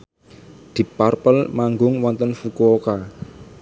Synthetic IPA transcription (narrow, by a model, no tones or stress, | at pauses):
d̪̥i̤parpəlmaŋɡʊŋwɔnt̪ənfukuoka